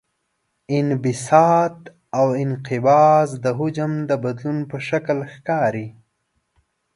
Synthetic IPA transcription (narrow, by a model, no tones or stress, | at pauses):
ɪnbɪsɑt̪ | awɪnqɪbɑzd̪əɦʊd͡ʒamd̪əbad̪lunpəʃaklxkɑːɾi